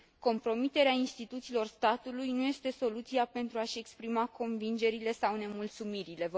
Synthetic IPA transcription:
ko̞mpɾo̞mit̪e̞ɾeainst̪it̪ut̪silo̞rst̪at̪ulujnuje̞st̪e̞so̞lut̪siape̞nt̪ɾuaʃe̞kspɾimako̞nvind͡ʒe̞ɾile̞sawne̞mult̪sumiɾile̞v

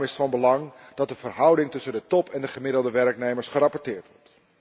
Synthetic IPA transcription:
mɪsfɑnbəlɑŋd̥ɑt̚dəvərɦʌwdɪŋtɵsəndətɔpʰɛndəχəmɪdlˠdəʋɛrknejməɹsχəɾɑpɔɹtɪːɹtʋɔɹt

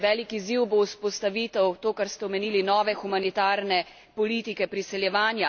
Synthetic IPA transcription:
ʋɛːlikiziwbouspɔst̪aʋiːt̪ɛwt̪oːkaɾst̪ɛɔmeniːlinɔːʋɛxumanit̪aːɾnɛ | pɔliːt̪ikɛpɾisɛljɛʋaːnja

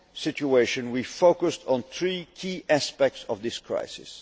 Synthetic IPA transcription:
sɪt͡ʃueɪʃɨ̃nwifoʊkəstn̩θɹikʰiːʔæspɛk̚tsɔvðɪskʰɹ̥a̰ɪsɪ̰s

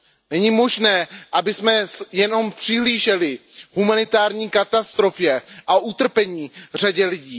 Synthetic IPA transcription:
nɛɲiːmo̞ʒnɛːʔabɪsmɛjɛno̞mpr̥ɪɦliːʒɛlɪhumanɪt̪aːɾɲiːkat̪ast̪ɾo̞fjɛʔaʔut̪r̩pɛɲiːr̝aɟɛlɪɟiː

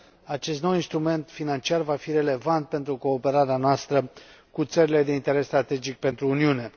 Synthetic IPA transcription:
at͡ʃe̞st̪no̞winst̪ɾume̞nt̪finant͡ʃiarvafiɾe̞le̞vant̪̚pe̞nt̪ɾuko̞ːpe̞ɾaɾeanoast̪ɾə | kut̪səɾile̞d̪e̞int̪e̞ɾe̞sːt̪ɾat̪e̞d͡ʒik̚pe̞nt̪ɾuːniune̞

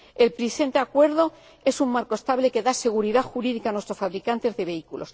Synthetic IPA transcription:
e̞lpɾise̞nt̪eakwe̞ɾð̞o̞ | e̞summaɾkoest̪aβle̞ke̞ðase̞ɣ̞uɾiðaxuɾiðikanwe̞st̪ɾo̞sfaβɾikant̪e̞zðe̞βe̞ikulo̞s

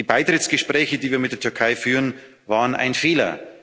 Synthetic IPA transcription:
diːbaɪtʁ̥ɪt͡sɡ̥əʃpʁ̥ɛːçədiːviːɐmɪt̚d̥ːɐtʰʏɐkʰaɪfyːʁən | vaːʁənʔa̰ɪnfeːlɐ̰

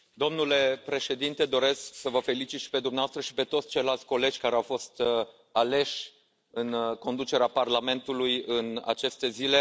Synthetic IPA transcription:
d̪o̞mnule̞pɾe̞ʃe̞d̪int̪e̞d̪o̞ɾe̞sksəvəfe̞lit͡ʃit̪ʃi̥pe̞d̪umneaoast̪ɾəʃi̥pe̞t̪ot̪sʲt͡ʃejlalt̪sʲko̞le̞d͡ʒʲkaɾeawfo̞st̪ | ale̞ʃʲ | ɨnko̞nd̪ut͡ʃe̞ɾeaparlame̞nt̪ulujɨna̰t͡ʃe̞st̪e̞zile̞

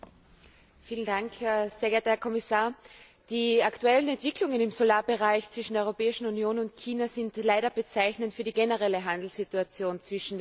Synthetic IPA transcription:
fiːlən̩daŋkʰːseːɐɡɛːɐtɐhɛɐkʰɔmɪsaːɐ | d̥iːaktuɛlən̩ɛntv̥ɪkʰlʊŋənɪmsolaːɐbəʁaɪçt͡sv̥ɪʃn̩deɐɔʏʁopɛːɪʃn̩unjoːnʊntkʰiːnazɪntlaɪɾɐb̥ət͡saɪçnəntfyːɐdiːɡɛnəʁɛləɦãndl̩situat͡sjoːnt͡sv̥ɪʃn̩d

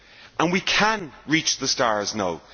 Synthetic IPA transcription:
ʔə̃nwikʰə̃nɹit͡ʃðəstaːɹznaʊ

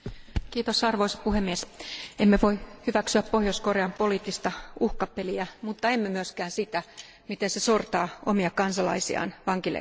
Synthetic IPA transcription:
kiːt̪osɑrʋo̞isɑ̥puhemːiesemːeʋoihyʋæksyæppohjoskoreɑmpoliːt̪ːist̪ɑuhkɑpːeliæmut̪ːɑemːømyøskæːnsit̪æ | mit̪ensesort̪ɑːomiɑkɑnsɑlɑ̰isḭɑ̰ːnʋɑŋkilḛ

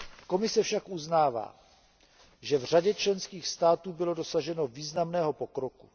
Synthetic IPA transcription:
ko̞mɪsɛfʃakʔuznaːva̰ː | ʒɛvr̝aɟɛt͡ʃlɛnskiːxst̪aːt̪uːbɪlo̞dosaʒɛno̞viːznamnɛːɦo̞po̞kɾoku̥

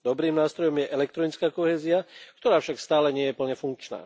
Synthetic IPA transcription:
d̪ɔbɾiːmnaːst̪ɾɔjɔmjɛʔɛlɛk̚t̪ɾɔnit͡skaːkɔɦɛːziak̚t̪ɔɾaːfʃakst̪aːlɛɲɪɛjɛpl̩ɲɛfuŋk̚t͡ʃna̰ː

